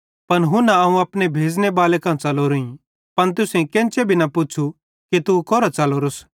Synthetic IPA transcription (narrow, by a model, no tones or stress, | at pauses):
pɐnɦunaɐũɐpnebʱeːd͡znebaːlekãːt͡ʃɐloɾʊĩ | pɐnt̪ʊsẽkɛ̃ːnt͡ʃebʱinɐpʊt͡ʃʰu | kit̪ukɔːɾat͡ʃɐloɾos